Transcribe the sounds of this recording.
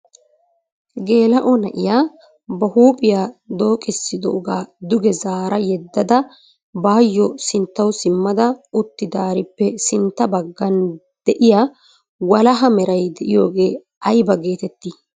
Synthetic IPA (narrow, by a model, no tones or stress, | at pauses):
ɡe̞ːlɐʔɔnɐʔɪjaː | bɐhuːpʼɪjaːd̪o̞ːkʼɪsːɪd̪ɔʔɔɡaːd̪ʊɡɛzaːɾɐjɛd̪ːɐd̪ɐ | baːjːɔsɪnt̪ːɐwsɪmːɐd̪ɐʊt̪ːɪd̪aːɾɪpːɛsɪnt̪ːɐbɐɡːɐn | d̪̥ɛʔɪjaː | wɐlɐɦɐmɛɾɐjd̪ɛʔɪjo̞ːɡe̞ː | ɐjbɐɡe̞ːt̪ɛt̪ːi